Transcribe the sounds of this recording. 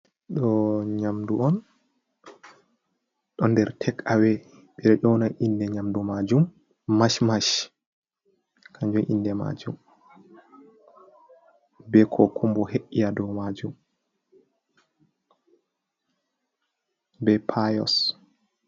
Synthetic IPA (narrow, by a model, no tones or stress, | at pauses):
ɗɔɲamduɔn | ɗɔndɛɾtʰɛkːawɛ | ɓɛɾɛʔɔnaʔindɛɲamdumad͡ʒum | maʃmaʃ | kʰaɲd͡ʒɔʔḭndɛma̰d͡ʒum | bɛkʰɔkʰumbɔheʔijadɔmad͡ʒum | bɛpʰajɔ̰s